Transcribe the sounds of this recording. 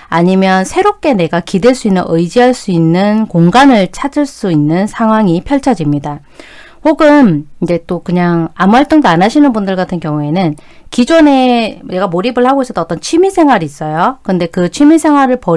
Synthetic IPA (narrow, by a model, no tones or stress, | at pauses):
aɲimjʌnsʰe̞ɾop̚k͈e̞ne̞ɡakideɭs͈uinːɯnʔɯjd͡ʑiɦaɭs͈uinːɯnkoŋɡanɯɭt͡ɕʰad͡ʑɯɭs͈uinːɯnsʰaŋɦwaŋipʰjʌɭt͡ɕʰad͡ʑimɲida | hoɡɯnind͡ʑe̞t͈okɯɲaŋamuɦaɭt͈oŋdoanaɕʰinɯnbundɯɭɡatʰɯnkjʌŋue̞nɯn | kid͡ʑone̞ne̞ɡamoɾibɯɭhaɡois͈ʌt͈ʰːʌnʌt͈ʌnt͡ɕʰimisʰe̞ŋɦwaɾiːs͈ʌjokɯnde̞kɯt͡ɕʰimisʰe̞ŋɦwaɾɯɭpʌ